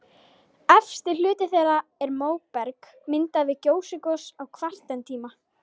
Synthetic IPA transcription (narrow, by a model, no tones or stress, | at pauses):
ɛfst̪ɪl̥ʏːt̪ɪθeɾaɛɾmoːwpɛɾk | mɪnt̪aðvɪðcoːwsɪkɔsawkʰvar̥t̪ɛnt̪ʰiːma